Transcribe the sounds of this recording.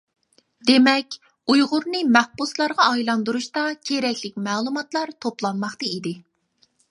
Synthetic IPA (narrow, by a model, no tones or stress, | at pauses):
d̪emɛkʲ | ujʁʊɾnɨmæhbuslˠɑɾʁɑːjlˠɑnd̪uɾuʃt̪ɑkʲʰeɾɛkʲlɪkʲmæːlˠumɑt̪lˠɑɾt̪ʰoplˠɑnmɑχt̪ɨid̪ɪ